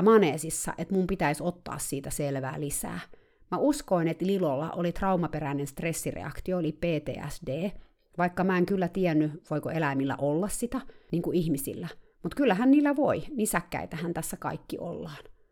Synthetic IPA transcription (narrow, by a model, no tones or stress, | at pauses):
mɑneːsisːɑ̰ʔet̪mumpit̪æisot̪ːɑ̰ːssiːt̪æselʋæ̰ːlisæ̰ː | mæuskoinet̪lilolːɑ̰ʔolit̪rɑumɑpeɾæinenst̪resːirḛɑ̰kt̪ioolipeːt̪ḛːæ̰sdeː | ʋɑikːɑmæeŋkylːæt̪iɛnːyʋoikoelæimilːæ̰ʔolːɑssit̪æniːŋkuihmisḭlːæ | mut̪kylːæɦænniːlːæʋoinisækːæ̰it̪æhænt̪æsːækɑ̰ikːiʔo̰lːɑːn